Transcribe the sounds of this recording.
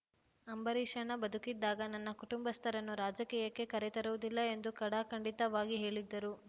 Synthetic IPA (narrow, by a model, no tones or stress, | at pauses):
ɐmbɐɾiʂɐɳɐbɐd̪ukid̪ːaːɡɐnɐnːɐkuʈumbɐst̪ʰɐɾɐnːuɾaːd͡ʒɐkiːjɐkːe̞kɐɾɛt̪ɐɾuʋud̪ilːɐe̞nd̪ukɐɽaːkɐɳɖit̪ɐʋaːɡiɦe̞ːɭid̪ːɐɾu